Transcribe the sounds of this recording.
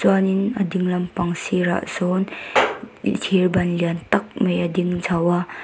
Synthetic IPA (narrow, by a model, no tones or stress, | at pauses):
t͡swaninɐdiŋlɐmpɐŋsiɾa̰ʔsɔn | tʰiɾbɐnliant̪ɐk̚majadiŋzʰawa